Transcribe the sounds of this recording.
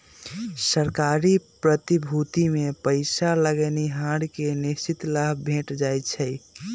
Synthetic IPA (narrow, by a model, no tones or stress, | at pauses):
səɾkaɾipɾət̪ibʱut̪imepəɪsaləɡɛniɦãɽkenist͡ʃit̪ləɦbʱẽʈd͡ʒajt͡ʃʰəj